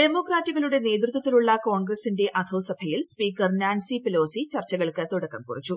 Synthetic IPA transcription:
ɖe̞mo̞ːkraːtːuɣɐɭuɽe̞ne̞ːd̪rut̪ʋɐt̪ːiluɭːɐkoːɳɡrɐsinde̞ʔɐd̪ʰʱɐwsɐbʱɐjilspiːkːɐrnaːnsipelo̞ːsit͡ɕɐrt͡ɕːɐɣɐɭkɨt̪uɽɐkːɐmkurit͡ɕːu

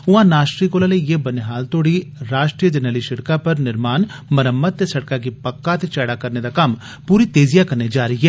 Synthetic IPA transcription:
ʊãːnaːʃɾikoːlaːleijeːbənɦaːlt̪oːɽiɾaːʃʈɾijəd͡ʒənəːliʃɪɽkapəɾnɪɾmaːnməɾəmːəd̪̚t̪esɐɽkakipəkːat̪et͡ʃɛːɽaːkɐɾned̪aːkɐm | puːɾit̪eːzɪjakɐɾnid͡ʒaːɾəɦiɦɛː

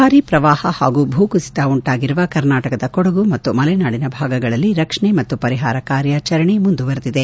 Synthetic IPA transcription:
aːɾipɾɐʋaːhɐhaːɡuːbʱuːkusi̥t̪ɐuɳʈaːɡiɾuʋɐkɐɾnaːʈɐkɐd̪ɐkɔɽɐɡumɐt̪ːumɐlɐjnaːɽinɐbʱaːɡɐɡɐɭɐlːiɾɐkʂɐɳemɐt̪ːupɐɾiɦaːɾɐkaːɾjaːt͡ʃɐɾɐɳimund̪uʋɐɾt̪id̪e

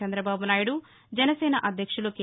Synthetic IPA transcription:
ɐnd̪ɾɐbaːbunaːjuɽu | d͡ʒɐnɐsɛːnɐʔɐd̪ʱjɐkʂuloːki

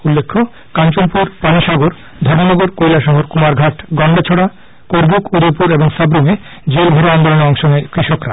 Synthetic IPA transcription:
ulːekʰːo | kant͡ɕonpuɾpaniʃaɡoɾ | d̪ʱɔɾmonɔɡoɾkojlaʃɔɦoɾkumaɾɡʱaʈɡɔɳɖat͡ɕʰoɽa | koɾbukʰud̪opuɾeboŋsabɾume | d͡ʑelbʱoɾoand̪oloneɔŋʃonekɾiʃokɾa

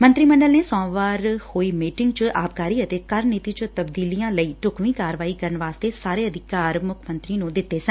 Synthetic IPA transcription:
mə̃nt̪ɾiːməɳɖəlneːsɔ̃ːʋaːɾhoːiːmiːʈɪŋɡt͡ʃʔaːp̚kaːɾiːət̪eːkəɾniːt̪iːt͡ʃt̪əbd̪iːlijãːləiːʈʊkʰʋiːkaːɾʋaːiːkəɾənʋaːst̪eːsaːɾeːəd̪ɪkaːɾmʊkʰmənt̪ɾiːnũd̪ɪt̪ːeːsə̃n

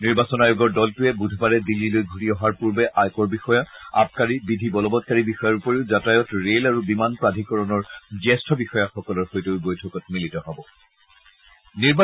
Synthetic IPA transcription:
niɹbasɔnajoɡɔɹdɔltʊɛbudʱbaɹɛdilːilojɡʱutiɔɦaɹpuɹbɛʔajkɔɹbixɔjaa̰p̚kaɹibidʱibɔlɔbɔt̚kaɹibixɔjaɹupɔɹeʊzatajɔtɹelaɹubimanpɹadʱikɔɹɔnɔɹd͡ʒɛstʰɔbixɔjaxɔkɔlɔɹxojtobojtʰɔkɔtmilitɔɦabɔ | niɹba

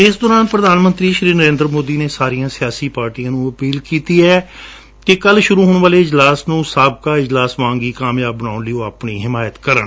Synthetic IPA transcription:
ɪsd̪ɔːɾaːnpɾəd̪aːnmə̃nt̪ɾiːʃɾiːnəɾẽːnd̪ɾmoːd̪iːneːsaːɾijãːsɪjaːsiːpaːɾʈiːãːnũːəpiːlkiːt̪iːɛː | kekəlʃʊɾuːɦoːɳʋaːleːɪd͡ʒlaːsnũːsaːb̚kaːɪd͡ʒlaːsmãːŋɡiːkaːmjaːbːənaːʊnlijõːaːpɳiːɦɪmaːjət̪kəɾə̰ɳ

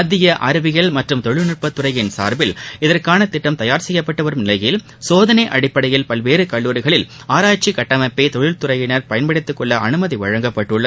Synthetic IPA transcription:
ɐðɪjɐʔɐɾɐʋɪɣɐɭmɐʈrɯmt̪ɔɻɪlnɪʈ̚pɐt̪ːʊrɐjɪnsa̰ːɾbɪlɪðɐrkaːnɐt̪ɪʈːɐmt̪ɐjaːɾsɛjːɐpːɐʈːɐʋɐɾɯmnɪlɐjɪl | soːðɐnɐʔɐɽɪpːɐɽɐjɪlpɐlʋeːɾɯkɐɭːuːɾɪɣɐɭɪl | aːɾaːt͡ʃikɐʈːɐmɐpːeːt̪ɔɻɪlt̪ʊrɐjɪnɐɾpɐjɐnpɐɽɪt̪ːɯkːɔɭːɐʔɐnɯmɐðiʋɐɻɐŋɡɐpːɐʈːɯɭːɐ

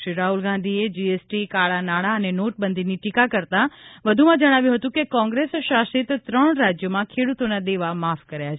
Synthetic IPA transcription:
ʃɾiɾaɦulɡãnd̪ʱied͡ʒiesʈikaɭanaɭaənenoʈ̚bənd̪ʱiniʈikakəɾt̪aʋəd̪ʱumãd͡ʒəɽ̃aʋjũɦət̪ũkekɔ̃ŋɡɾesʃasit̪t̪ɾəɳ̃ɾad͡ʒjomãkʰeɽut̪onad̪eʋamafkəɾjat͡ʃʰe

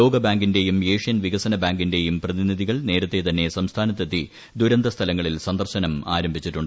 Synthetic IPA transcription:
o̞ːɡɐbaːŋɡinde̞jumjeːʂijɐnʋiɣɐsɐnɐbaːŋɡinde̞jumprɐðiniðiɣɐɭne̞ːɾɐt̪ːe̞t̪ɐnːesɐmst̪ʰaːnɐt̪ːet̪ːi | d̪uɾɐnd̪ɐst̪ʰɐlɐŋːɐɭilsɐnd̪ɐrɕɐnɐmaːɾɐmbʱit͡ɕːiʈːuɳɖɨ

